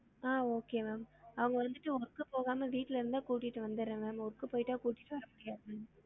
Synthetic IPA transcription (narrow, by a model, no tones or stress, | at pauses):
aːoːkeːmaːmɐʋɐŋɡɐʋɐnd̪ɯʈːɯɔɾɯkːɯpoːɣaːmɐʋiːʈːɪlɪɾɯnd̪ãːkuːʈːɪʈːɯʋɐnd̪ɯɾɛ̃maːmɔɾɯkːɯpoːjɪʈːaːkuːʈːɪʈːɯʋɐɾɐmʊɽɪjaːðɐmaːm